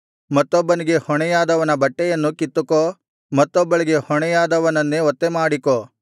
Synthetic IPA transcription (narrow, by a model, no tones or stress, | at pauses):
mɐt̪ːɔbːɐniɡe̞hɔɳɛjaːd̪ɐʋɐnɐbɐʈːɛjɐnːukit̪ːuko | mɐt̪ːɔbːɐɭiɡe̞hɔɳɛjaːd̪ɐʋɐnɐnːeɔt̪ːemaːɽiko